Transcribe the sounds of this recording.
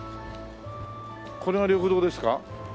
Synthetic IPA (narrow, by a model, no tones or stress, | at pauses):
kʰo̞ɾe̞ɡaɾʲoːɸɯd̪o̞ːd̪e̞sɨ̥ka